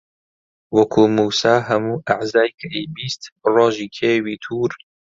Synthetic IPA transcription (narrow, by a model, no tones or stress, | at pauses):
wɐkʰuːmuːsaːɦɐmuːʔaʕzaːjkʰɐʔibiːst̪roːʒiːkʰeːwiːt̪ʰuːɾ